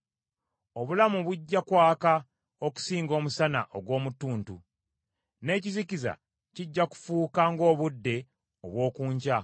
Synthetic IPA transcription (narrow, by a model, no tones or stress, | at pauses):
o̞βulamuβuɟːakwaːka | o̞ku̥siːŋɡo̞ːmusana̰ʔoɡwo̞ːmutːuːntu | ne̞ːciziciza̰ | ciɟːaku̥fuːkaŋɡo̞ːβudːe̞ | o̰βwo̞ːkuːɲɟa